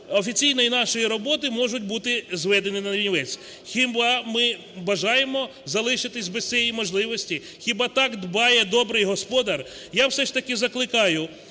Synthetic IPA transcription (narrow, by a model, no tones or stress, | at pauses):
ɔfʲit͡sʲijnɔjinɑʃɔjiɾɔbɔt̪ɪmɔʒʊt̚ʲbut̪ɪzʋɛd̪enɪnɐɾʲinʲʋɛt͡sʲ | xʲibɑmɪ | bɐʒɑjemɔ | zɐlˠɪʃɪt̪ɪsʲbɪssʲijɛijmɔʒlˠɪʋɔsʲtʲi | xʲɪbɑt̪ɑkd̪bɑjɛd̪ɔbɾɪjɦɔspɔd̪ɐr | jawsɛʃt̪ɐkɪzɐklˠɪkɑjʊ